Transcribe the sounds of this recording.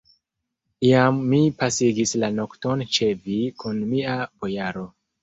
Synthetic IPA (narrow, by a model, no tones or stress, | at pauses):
iamːipasiɡislano̞kto̞nt͡ʃe̞vikunmiabo̞jaɾo̞